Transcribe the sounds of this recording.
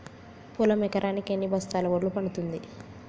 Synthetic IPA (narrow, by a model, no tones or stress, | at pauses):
pulɐmɛkɐɾʔaːnikenːibʱɐst̪aːlɐʋɐɽːupɐɳut̪und̪i